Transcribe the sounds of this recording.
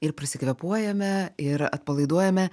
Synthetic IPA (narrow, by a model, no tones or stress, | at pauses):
ɪɾpʲɾʲɪsʲɪkʋʲɛpuɔjɛmʲɛɪɾɐ̰t̪̚pɐlˠɐɪd̪uɔjɛmʲɛ